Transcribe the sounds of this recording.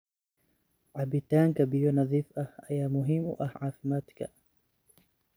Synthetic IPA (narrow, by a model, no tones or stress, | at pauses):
ʕabɪt̪aːŋkɐbɪjɔnɑðˤiːfʔɐhɐjaːmʊɦimʊ̰ʔɐhʕaːfɪmaːt̪kʰa̰